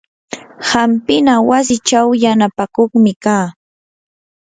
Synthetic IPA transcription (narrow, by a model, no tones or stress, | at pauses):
hampɪnawas̬ɪt͡ʃawjanapakoχmɪkaː